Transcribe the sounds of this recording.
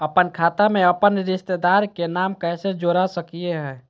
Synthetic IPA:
əpənkʰat̪ameəpənɾist̪ed̪aɾkenamkɛɦsed͡ʒoɾasəkijeɦɛ̃ː

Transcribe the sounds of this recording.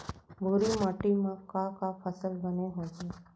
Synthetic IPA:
bʱuɾimaːʈimãkakapʰəsəlbəneɦotẽː

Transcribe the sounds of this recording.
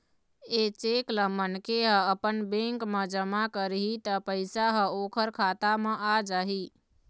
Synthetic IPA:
eːt͡ʃeːklə̃mənkeɦə̃əpənbẽŋkmə̃d͡ʒəmakəɾɦit̪əpəɪsaɦəoːkʰəɾkʰaːt̪amə̃ʔad͡ʒaɦi

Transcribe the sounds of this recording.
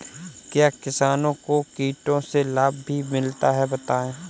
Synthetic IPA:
kjaːkɪsaːnõkokiːʈõselaːb̚ːʱimɪlt̪aɦɛbɐt̪aːẽː

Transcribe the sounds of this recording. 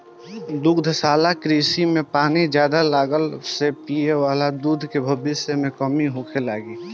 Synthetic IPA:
d̪ʊɡd̪ʱsaːlakɾiːsimẽpaːnid͡ʒjaːd̪alaːɡəlsepiewaːlad̪uːd̪ʱkebʱəbɪsəmẽkəmiɦoːkʰelaːɡiː

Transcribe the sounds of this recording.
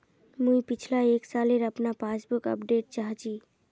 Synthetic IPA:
mũjpit͡ʃʰlaeksaleɾəpnapasbukə̰pɖeʈ̚t͡ʃaɦt͡ʃʰi

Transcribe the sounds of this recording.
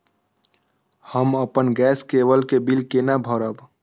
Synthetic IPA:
həməpənɡɛskebəlkebilkenabʱɔɾəb

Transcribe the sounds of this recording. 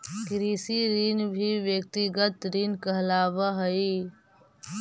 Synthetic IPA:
kɾiːsiɾiːnbʱiʋjək̚t̪iɡət̪ɾiːnkəɦlaːbəɦəi

